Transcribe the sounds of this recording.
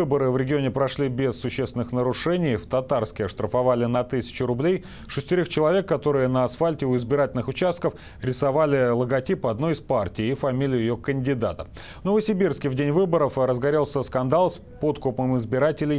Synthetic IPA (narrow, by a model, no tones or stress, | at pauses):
ɨbəɾɨvɾʲɪɡʲɪonʲɪpɾɐʂlʲibʲɪsːʊɕːesvʲɪnɨxnəɾʊʂɛnʲɪjft̪ɐt̪arskʲɪɐʂt̪ɾəfɐvalʲɪnɐt̪ɨsʲɪ̥t͡ɕʊɾʊblʲej | ʂɨsʲtʲɪɾʲoxt͡ɕɪlˠɐvʲe̞kːɐt̪o̞ɾɨjənəɐsfalʲtʲɪʊɪzbʲɪɾatʲɪlʲnɨxʊt͡ɕast̪kəf | ɾʲɪsɐvalʲɪlˠəɡɐtʲipɨɐd̪no̞ɪspartʲɪjːfɐmʲilʲɪjʊjɪjokənʲdʲɪd̪at̪ə̰ | nəvəsʲɪbʲirskʲɪvdʲenʲvɨbəɾəfrəzɡɐɾʲelˠsʲəskɐnd̪alˠs | po̞t̪kʊpəmɪzbʲɪɾatʲɪlʲɪj